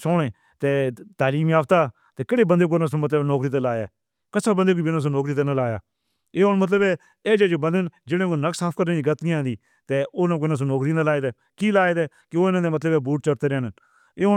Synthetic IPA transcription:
sɔːneː | t̪eːt̪aːliːmaːpt̪aː | t̪eːkeɽeːbənd̪eːk̬oːnãːsõːmət̪ləbnɔːkɾiːt̪eːlaːjaː | kəsaːbənd̪eːkoːbɪnãːs̬õːnɔːkɾiːt̪eːnalaːja̰ː | eːɦonmət̪̬ləbɛː | eːd͡ʒeːd͡ʒoːbənd̪ənd͡ʒɪɽẽːkonəksaːpʰkəɾnẽːd͡ʒiːɡət̪niãːnd̪iː | t̪eːoːnãːkoɪnãːs̬õːnɔːkɾiːnalaːeːt̪eː | kiːlaːeːt̪eː | kɪoːɪnãːd̪eːmət̪ləbɛːbuːʈ̚t͡ʃəɾt̪eːɾɛːn | eːʊ

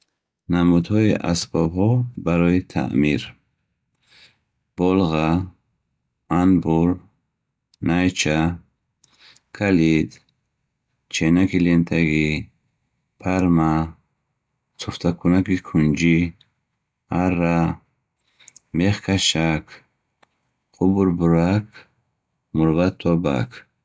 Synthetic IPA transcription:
namud̪hɔiʔa̰sbɔbɦɔbaɾɔit̪ʰa̰ʔmiɾ | b̥ɔlʁa | anbuɾ | najt͡ʃʰa | kʰalid̪ | t͡ʃʰenakilent̪ʰaɡi | pʰaɾma | t͡sʰuft̪ʰakʰunakikʰund͡ʒi | arːa | meχkʰaʃakʰ | qʰubuɾbuɾakʰ | muɾbat̪ʰːɔba̰kʰ

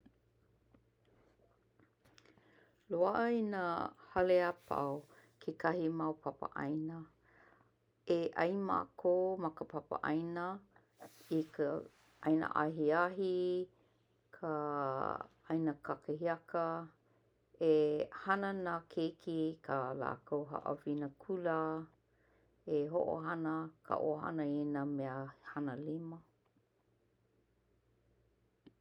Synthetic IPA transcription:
loaʔɐinahɐleapʰa̰wkʰekʰɐhimawpʰɐpə̰ʔɐ̰jnə | eʔɐ̰jma̰kʰomɐkəpʰapə̰ʔɐ̰jnə | ikə | ɐjnə̰ʔa̰ɦiaɦi | kʰə | ajnəkʰakəɦiakə | ehanənakʰejkʰikʰəla̰ːkʰowɦa̰ʔə̰vinəkʰulə | eɦo̰ʔo̰ɦanəkʰə̰ʔo̰ɦa̰nəenəmeəhanəlimə

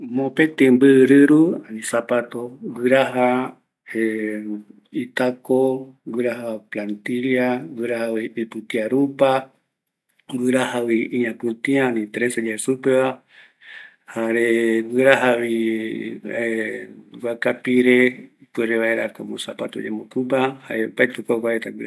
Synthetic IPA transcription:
mõpẽt̪ẽmbɨɾɨɾuanĩsapat̪owɨɾaɦa | e | it̪ako | ɡɨɾaɦaplant̪iljawɨɾahawiipɨt̪iaɾupa | ɡɨɾaɦawiiɲãpũt̪iãnĩt̪ɾesed͡ʒaesupeβa | haɾeɡɨɾaɦaβi | ɡʷakapiɾepweɾeβaeɾakamõsapat̪oɲẽmokupahaepaet̪ukakaet̪aɡʷɨɾa

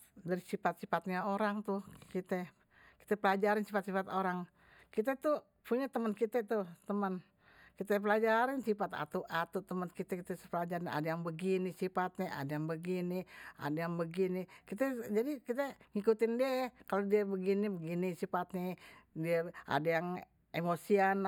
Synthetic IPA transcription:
daɾisifat̪̚sifat̪̚ɲaoɾaŋt̪uhkit̪ɛ | ki̥t̪ɛpəlad͡ʒaɾɪnsifat̪̚sifat̪oɾaŋ | kit̪ɛt̪u | puɲat̪əmənkit̪ɛt̪ut̪əmən | kit̪ɛp̬əlad͡ʒaɾɪnsipat̪a̰t̪uʔat̪ut̪əmənkit̪ɛkit̪ɛsəpəlad͡ʒaɾɲa̰dajaŋbəɡinisifat̪̚ɲɛʔa̰dajaŋbəɡinia̰dajaŋbəɡinikit̪ɛd͡ʒadikit̪ɛŋikut̪ɪndiakalodiabəɡinibəɡinisifat̪ɲɛdiaa̰dajaŋ | emosian

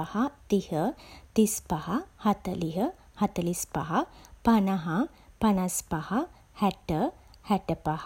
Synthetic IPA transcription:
ahat̪ihət̪ispahahat̪əliɦə | hɐt̪əlispa̰ɦapɐnaɦa | pɐnaspaha | hɛʈə | hɛʈəpah

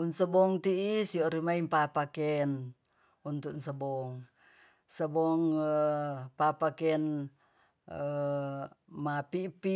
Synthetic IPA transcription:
unsəbɔŋt̪iːsioɾimaimpapakɛn | unt̪uknsəbɔŋ | səbɔŋ | papakɛn | mapipi

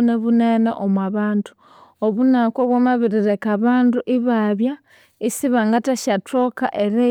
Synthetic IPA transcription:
neβunenḛʔomwaβaːntu̥ | oβunakwoβwamaβiɾiɾe̞kaβaːnduʔiβaβja | isiβaŋɡataʃato̞ka̰ʔe̞ɾe

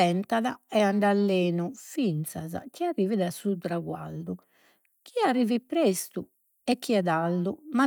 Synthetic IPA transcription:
ɛnt̪aðaɛaɳɖalːeːnufint̪saza̰k̟iarːiːviðasut̪ɾaɣwa̰ld̪u | k̟ʰiarːiːvipɾest̪u | ɛkːiɛðalːuma

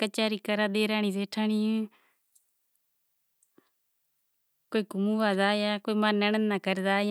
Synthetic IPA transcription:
kət͡ʃaːɾiːkəɾaːd̪eːɾaːniːseːʈʰaːɳiː | koːiːkʊmuʋaːzaːjaːkoːiːmaːnːəɳənːaːkəɾd̪aːj

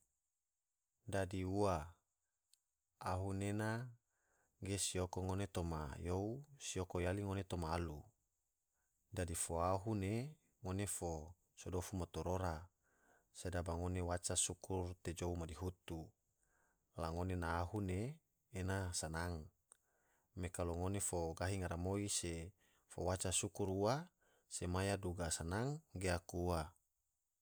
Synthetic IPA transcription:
dadiua | aɦunena | ɡesiokoŋonet̪oma̰jousiokojaliŋonet̪omaːlu | dadifoaɦune | ŋonefo | sodofumat̪oɾoɾa | sedabaŋonewat͡ʃasukurt̪ed͡ʒoumadiɦut̪u | laŋonenaːɦuneː | nasanaŋ | mekaloŋonefoɡaɦiŋaɾamoise | fowat͡ʃasukuɾua | semajaduɡasanaŋɡeakuua

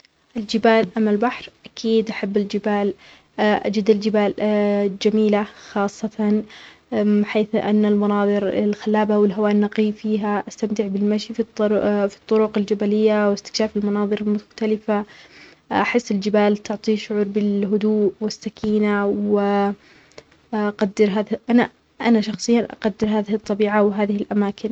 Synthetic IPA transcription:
ʔɪld͡ʒɪbaːlʔamːalbaħɾʔakʰiːd̪ʔaħabːɪld͡ʒɪbaːl | ʔa̰d͡ʒɪd̪ɪld͡ʒɪbaːld͡ʒamiːlaxɑːsˤːɑt̪ɑnmɪħeːθʔa̰nːalmɑnɑːðˤɨɾɪlxalːaːbawɪlɦawaːʔnːɑqiːfiːɦaʔast̪amt̪ɪʕbɪlmaʃiffi̥t̪ˤːʊɾʊqɪld͡ʒabalɪjːawɪst̪ɪ̥kʃaːfɪlmɑnɑːðˤɨɾɪlmʊxt̪alɪfa | ʔʔaħɪsːɪld͡ʒɪbaːlt̪ʊʕt̪ˤiːʃʊʕuːɾbɪlɦʊd̪uːʔwɪsːakʰiːnawɪ | ʔaqad̪ːɪɾɦaːðʔana | ʔanaʃɑxsˤɨjːanʔa̰qad̪ːɪɾɦaːðɪhɨt̪ˤːɑbiːʕawɦaːðɪhɪlʔamaːkɪn

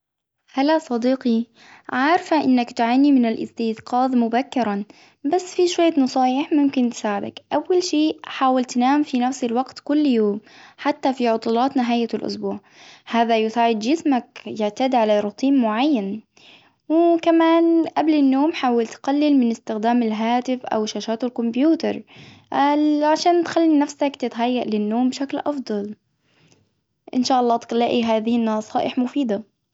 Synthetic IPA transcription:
halːasˤɑd̪iːqi | ʕaːɾfaʔɪnːakt̪ʕaːnimɪnalʔɪ̰st̪iːðqʰɑːðˤmʊbakːɪɾˤa | basːfiʃwajːnɑsˤɑːjɪħmʊmkɪnt̪ɪ̥saːʕɪd̪a̰kʔawːalʃiːħaːwalt̪naːmfinafsɪlwaɡt̪kʊlːjoːmħat̪ːafiʕʊt̪ˤuːlɑːt̪nɪɦaːjːalʔʊ̰sbuːʕ | haːðajʊsaːʕɪd̪d͡ʒɪsmakjɪʕt̪aːd̪ʕalaɾˤʊt̪ʰˤiːmːʊʕajːan | wɪkamaːnʔablɪnːoːmħaːwɪlt̪qalːɪlmɪnɪst̪ɪxd̪aːmɪlɦaːt̪ɪfʔa̰wʃaːʃaːt̪ɪlkʊmbjuːt̪ɑɾˤ | ʕaʃaːnt̪xalːinafsakt̪ɪt̪ɦajːaʔlɪnːoːmbʃaklʔɑfd̪ˤɑl | ʔɪ̰nʃaːʔɑlˤːɑːt̪laʔiɦaːðɪhɪnːɑsˤɑːʔɪħmʊfiːd̪a

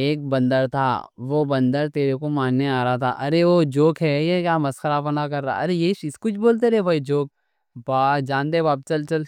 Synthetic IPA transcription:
eːk̚bɐ̃nd̪əɾt̪ʰa̰ːʋoːbɐ̃nd̪əɾt̪eːɾekomaːnːeaːɾaɦat̪ʰa̰ʔɐɾeʋod͡ʒoːkɦɛjekjaːmɐsxəɾapɐnakɐɾːaa̰ɐɾejeʃɪskʊt͡ʃʰboːlt̪̬eɾɛbʱɐid͡ʒoːk̚ | baːd͡ʒãːnd̪eːbaːp̚t͡ʃɐlt͡ʃɐl

